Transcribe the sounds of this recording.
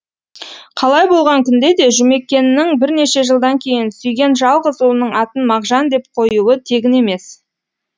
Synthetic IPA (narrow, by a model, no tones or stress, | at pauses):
qʰɑlˠɑjbo̞lˠʁɑŋkʲʰʏnd̪e̞d̪e̞ʒʏme̞kʲːe̞nɪnɪŋbɪɾne̞ʃe̞ʒəlˠd̪ɑŋkʲʰe̞jɪnsʏjɡʲe̞nʒɑlˠʁəzulˠənəɴɑt̪ənmɑʁʒɑnd̪e̞p̚qʰo̞juwət̪ʰe̞ɡʲɪne̞me̞s